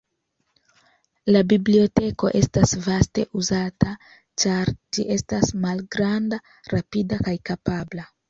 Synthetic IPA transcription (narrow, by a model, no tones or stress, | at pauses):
labiblio̞te̞ko̞̰ʔe̞stasvaste̞ʔuzata | t͡ʃaɾd͡ʒiʔe̞stasmalɡɾanda | ɾapidakajkapabla